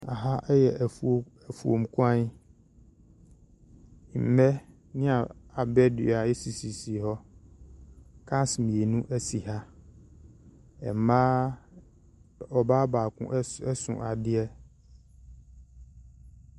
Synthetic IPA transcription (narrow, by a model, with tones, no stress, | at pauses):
a̰˨ɦa˦ʔɛ˦jɛ˨ | ɛ˨fu˨o̰˨m̩˨kʰʊ˦ã˦n˦˨ | m̩˨mɛ˦ | nɪ̃˦a˨a˨bɛ˦dɪ̰˨a˨ɛ˦si˨si˨si˨ɦɔ˦ | kʰã˦smĩ˨e˨nũ˦ʔæ˦si˨ha˦ | ɛ̰˨m˨mãː˦ | ɔ˨baː˦baː˨kʰʊ̰̃˦ʔɛ˦sʊ̰̃˨ʔa˨dɪ˦ɛ˦